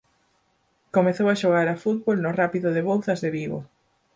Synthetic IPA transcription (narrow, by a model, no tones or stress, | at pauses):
komeθowaʃoɣaɾafut̪̚βolnorapiðoðeβolθɐzðeβiɣo̰